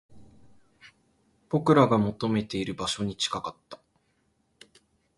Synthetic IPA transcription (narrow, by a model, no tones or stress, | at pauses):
b̥o̞kɯ̟ɾaɡamo̞t̪o̞me̞t̪e̞iɾɯ̟baɕo̞ɲ̟it͡ɕi̥kakat̪ːḁ